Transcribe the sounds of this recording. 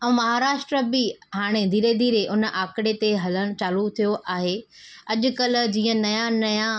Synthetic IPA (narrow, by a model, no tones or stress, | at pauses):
ɛ̃ːmɐɦaːɾaːʃʈɾəbɪɦaːɽ̃ed̪ʱiːɾed̪iːɾeʔʊnʔaːkɪɽet̪eɦɐləɽ̃̆t͡ɕaːlut̪ʰijoʔaːɦe | ɐʄʊ̆kɐlʊ̆d͡ʑĩːə̃nɐjanɐjã